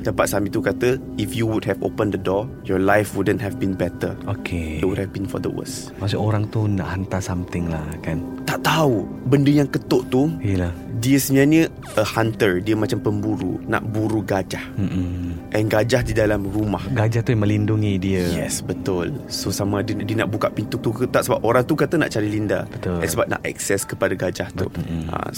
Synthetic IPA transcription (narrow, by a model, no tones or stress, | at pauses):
d̥apat̪̚samĩt̪ukat̪ə | ifjuwudɦɛvo̰pəndədɔ | jɔlajfwudənɦɛvbinbɛt̪ə̰okʰeewud̚hɛvbinfɔ̰d̪ə̰wə̰s | masuoɾaŋt̪una̰ʔhant̪asamt̪ɪŋlahkant̪aʔt̪au | bəndəjaŋkət̪oʔt̪ujəlahdiəsəɲãnə̃ | əhant̪ərdiəmãt͡ʃampəmbuɾṵna̰ʔbuɾuɡad͡ʒah̩ʔɛnɡad͡ʒahdidalamrumahɡad͡ʒaht̪ujamə̃linduŋidiəjɛ̰sbət̪ʊlsosamãdədiəna̰ʔbukaʔpint̪ut̪ukət̪aʔsəba̰p̚oɾaŋt̪ukat̪ana̰ʔt͡ʃaɾilinda̰bət̪ʊlɛ̰nsəbap̚na̰ʔɛ̰ksɛskəpadaɡad͡ʒaht̪ṵa̰